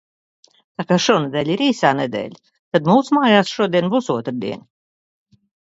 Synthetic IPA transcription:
t̪aːkaːʃuɔnɛd̪ɛːlʲiɾiːsaːned̪ḛːlʲ | t̪ad̪muːsmaːjaːsʃuɔd̪iɛnbuːsuɔt̪ɾd̪ḭɛnʲ

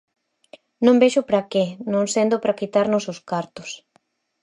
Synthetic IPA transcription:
nõmbeʃʊpɾakenõŋsend̪ʊpɾakit̪aɾnʊsʊskaɾt̪ʊ̥s

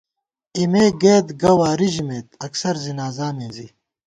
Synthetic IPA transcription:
imeːɡeːd̪ɡɐwaːɾiʑimeːt̪̚ɐksɐɾzinaːzaːmeːzi

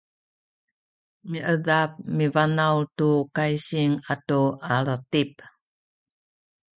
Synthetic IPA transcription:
miʔədap̚mivanawtukajsiŋatualətip̚

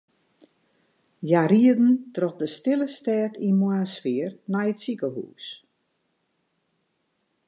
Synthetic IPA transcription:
jaɾiədn̩trɔxdəstɪləstɛːtinmwasfiərnɛjətsikəhṵːs

